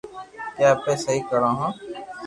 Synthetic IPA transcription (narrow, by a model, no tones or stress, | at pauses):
kjaːpẽːsəɦikəɾãːɦãː